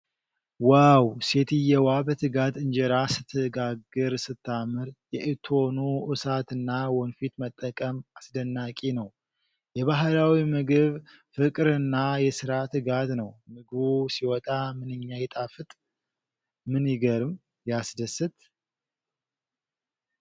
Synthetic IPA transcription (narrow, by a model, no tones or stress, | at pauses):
wawse̞t̪ʰɨjɛwabət̪ʰɨɡat̪ɨɲd͡ʒɛɾasɨt̪ʰːɨɡaɡɨɾsɨt̪ʰːamɨɾjɛʔɨt̪ʰonuʔɨsat̪ɨnːawɔnfit̪mət̪ʼːəkʼəmasd̪ənːakʼinəw | jɛβaɦlawimɨɡɨβ | fɨkʼɨɾɨnːajɛsɨɾat̪ʰɨɡat̪nəwmɨɡɨβusiwɔt̪ʼamɨnɨɲːajɛt̪ʼafɨt̪ʼ | mɨniɡəɾɨm | jasd̪əsːɨt̪